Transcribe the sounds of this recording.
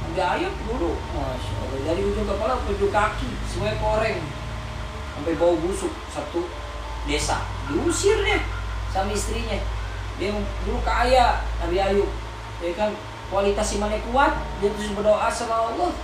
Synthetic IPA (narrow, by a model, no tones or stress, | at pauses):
biajuk̚dudukmaʃa̰ɔ̰lːɔdaɾiud͡ʒuŋk̪apalapəd͡ʒukakisəmuakoɾɛŋ | sampajbaubusuk̚sat̪u | dɛsa̰ | diusirɲasamaist̪ɾiɲɛ | diɛŋduɾukaːjanabiajuk̚ | ɛkan | kualit̪asimanɛkuat̪̚dnt̪usbərdoʔasamaːlːɔ